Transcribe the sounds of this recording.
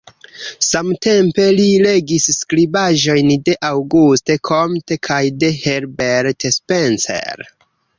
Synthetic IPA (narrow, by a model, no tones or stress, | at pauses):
samte̞mpe̞lile̞ɡisːkɾibaʒo̞jnde̞ʔawɡustekʰomtekʰajde̞heɾbeɾtespensḛɾ